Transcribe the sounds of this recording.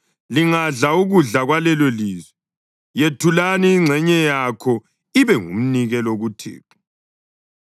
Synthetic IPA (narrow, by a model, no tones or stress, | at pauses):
liŋaɮauɣuɮaɣwalɛloliːzwɛ | jetʰulaniːŋ͡ǀʱɛɲɛjakʰɔ | iβɛŋṵm̩niɣɛloɣutʰḭːpʰu̥